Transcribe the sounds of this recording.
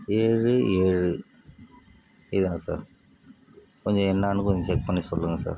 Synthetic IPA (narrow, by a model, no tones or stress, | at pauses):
eːɻɯeːɻɯ | ɪðãːsa̰ːɾ | kɔɲd͡ʒɔ̃ɛnːaːɳɯkːɔt͡ʃɛk̚pɐɳːisɔlːɯŋɡɐsa̰ːɾ